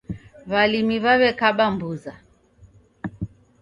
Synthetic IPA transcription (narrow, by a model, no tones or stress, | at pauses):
βalimiβaβɛkaɓambuza